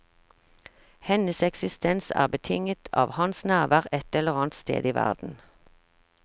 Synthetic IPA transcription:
hɛnəsɛksɪst̪ɛnsæ̰ːʁbət̪ʰɪŋət̪ʰɑ̰ːʋhɑnsnæːʁʋæːʁɛt̪ɛləʁɑːnt̪st̪ḛːd̪iːʋæ̰ʁd̪̥n̩

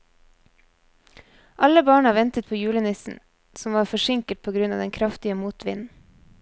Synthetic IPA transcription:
ʔɑləbɑːɳɑʋɛnt̪ət̪̚pʰoːjʉːlənɪsn̩ | sɔmʋɑːɾfɔʃɪŋkəʈ̪̚pʰoːɡɾʉnɑ̰ːd̪ɛŋkʰɾɑft̪ɪəmuːt̪ʰʋɪ̰nn̩

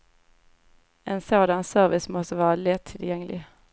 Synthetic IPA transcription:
ɛnsoːd̪ansœɾvɪsmɔst̪əvɑːɾalɛt̪ʰːɪljɛŋlɪ̰

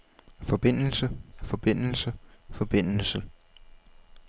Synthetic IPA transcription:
fɒ̽b̥e̝n̰l̩səfɒ̽b̥e̝n̰l̩səfɒ̽b̥e̝n̰l̩sə

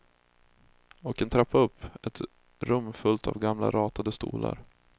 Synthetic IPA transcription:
ɔkɛnt̪ʰɾapːaɵpʰːɛt̪ | ɾɵmːfɵlt̪ʰavɡamla̰ɾɑːt̪ʰad̪əst̪ṵːlʔa̰ɾ

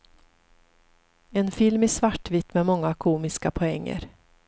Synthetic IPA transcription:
ɛnfɪlmɪsvaʈːvɪt̪ːmɛmɔŋːakʰuːmɪskapʰɔɛŋːə̰ɾ

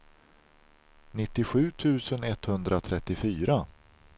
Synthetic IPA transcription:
nɪt̪ːɪɧʉ̟ːt̪ʰʉ̟ːsənɛt̪hɵnd̪ɾat̪ʰɾɛt̪ːɪfyːɾa

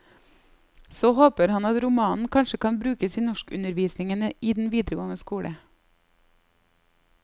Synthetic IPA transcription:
soːhoːpəɾhɑnɑt̪ɾʊmɑːnn̩kʰɑnʃəkɑnbɾʉːkəsiːnɔʃkʉnəɾʋiːsnɪŋənəʔiːd̪nʋiːd̪ɾəɡoːnəskuːɽə̰

